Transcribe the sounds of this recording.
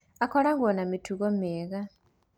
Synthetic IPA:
akolaŋɡonamitʰuɣomeːɣa

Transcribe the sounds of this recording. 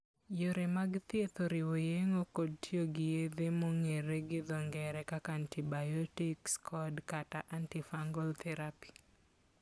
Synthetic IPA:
joɾemaɡt̪et̪oɾɪwojeŋokod̚tjoɡɪjed̪emoŋeɾeɡɪd̪ɔŋɡɛɾɛkakaantibajɔtikskʰɔdkataʔantifaŋɡɔlt̪ʰɛɾapi̥

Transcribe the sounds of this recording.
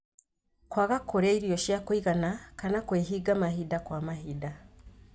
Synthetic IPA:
kwaɣakʰːoɾeiɾijoʃjakwiɣanakanakweːɦiɡamahidakwaːmaɦida

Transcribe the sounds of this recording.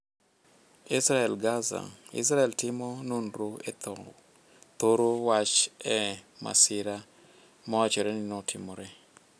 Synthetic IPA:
isɾaɛlɡaza̰ŋḭsɾaɛltɪmɔnonroɛt̪ɔ | t̪oɾowat͡ʃɛma̰sɪɾa | mɔwat͡ʃɔɾɛnɪnotʰɪmoɾɛ

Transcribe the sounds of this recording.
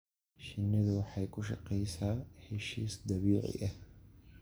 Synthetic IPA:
ʃɪnːɐðʊwɑħɑjkʰʊʃɑ̰qɛjsaːħɪʃiːsd̪ɐβiːʕɪ̰ʔɐh

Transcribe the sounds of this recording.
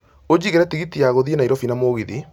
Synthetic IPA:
od͡ʑiɣɛɾɛtiɣitiaɣoðienaiɾɔfinamoɣiði

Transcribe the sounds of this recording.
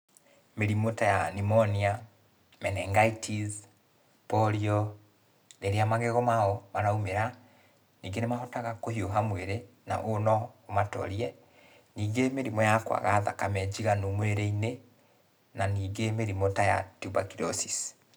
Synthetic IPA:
meɾimotajanimɔnia | mɛnɛŋɡaitʰiz | pɔɾiɔ | neɾeamaɣeɣɔmaɔmaɾaumeɾa | niːŋɡenemaɦɔtaɣakohioɦamweɾe | na̰ʔonɔomatɔ̰ɾiɛ | niːɡemeɾimɔjakwa̰ɣaða̰kamɛd͡ʑiɣanumweɾeine | naniːɡemeɾimotaja̰tubakiɾɔsis

